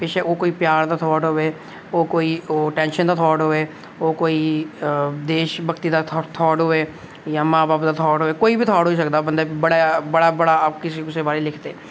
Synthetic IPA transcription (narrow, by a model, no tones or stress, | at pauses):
pɪʃeʔoːkoːiːpjaːɾd̪aːt̪ʰɔːʈɦoːeː | oːkoːiːoːʈɛ̃ːnʃənd̪aːt̪ʰɔːɦoːeː | oːkoːiː | d̪eːʃbəkt̪iːd̪aːt̪ʰːt̪ʰɔːʈɦoːeː | jãːmaːbaːpd̪aːt̪ʰɔːʈɦoːeːkoːiːbʱiːt̪ʰɔːʈɦoːisəkd̪aːbənd̪abəɽabəɽaːbəɽaaːpkɪseʊsebaːɾeːlɪkʰd̪eː